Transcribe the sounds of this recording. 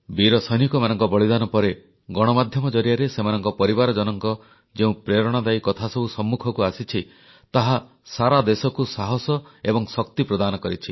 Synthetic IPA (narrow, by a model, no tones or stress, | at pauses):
biɾɔsɔjnikɔmanɔŋkɔbɔɭid̪anɔpɔɾe | ɡɔɽ̃ɔmad̪ʱjɔmɔd͡ʒɔɾijaɾesemanɔŋkɔpɔɾibaɾɔd͡ʒɔnɔŋkɔ | d͡ʒeũpɾeɾɔɽ̃ad̪aikɔt̪ʰasɔbusɔmːukʰɔkuasit͡ʃʰi | t̪aɦa | saɾad̪esɔkusaɦɔsɔebɔŋsɔkt̪ipɾɔd̪anɔkɔɾit͡ʃʰi